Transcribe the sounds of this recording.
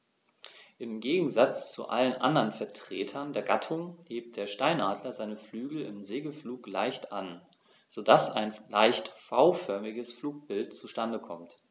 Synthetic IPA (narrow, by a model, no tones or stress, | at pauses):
ʔɪmɡeːɡŋ̩zat͡st͡sṵʔa̰lənʔa̰ndɐnfɛɐtʁ̥eːtʰɐndeːɐɡatʰʊŋheːp̚t̚d̥eːɐʃtaɪnʔaːdlɐzaɪnəflyːɡl̩ɪ̰mzeːɡəl̩fluːklaɪçtʔan | z̥oːdasa̰ɪnlaɪçtfaʊfœɐmɪɡəsfluːk̚b̥ɪltt͡suʃtandəkʰɔmt